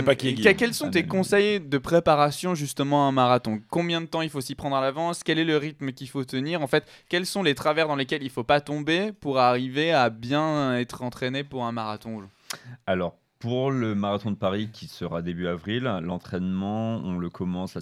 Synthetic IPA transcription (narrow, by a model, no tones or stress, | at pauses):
pakɛkʲɛlsɔ̃t̪̬ekɔ̃sɛjd̪əpχepaʁasjɔ̃ʒyst̪əmɑ̃aɛ̃maʁat̪ɔ̃kɔ̃bjɛ̃d̪ət̪ɑ̃ilfosipχɑ̃d̪ʁalavɑ̃skʲɛlɛləʁit̪məkʲifot̪əniʁɑ̃fɛt̪ | kʲɛlsɔ̃let̪χavɛʁd̪ɑ̃lekʲɛlilfopat̪ɔ̃bepuʁaʁiveabjɛ̃ɛt̪χɑ̃t̪χenepuʁɛ̃maʁat̪ɔ̃oʒ̃ | alɔʁ | puʁləmaʁat̪ɔ̃d̪əpaʁikʲʰisəʁad̪ebyavʁillɑ̰̃t̪χɛnmɑ̃ɔ̰̃ləkʰɔmɑ̃sa